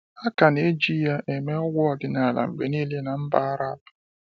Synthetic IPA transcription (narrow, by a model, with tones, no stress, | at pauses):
a˦ka˨ne˦d͡ʒi˦ja˦ʔe˨me˦ɔ˦ɡʷʊ˦ɔ˨dɪ˦na˨la̰˨m̩˨ɡ͡be˨ni˦le˦na˨m̩˦ba˦a˦ɾa˦b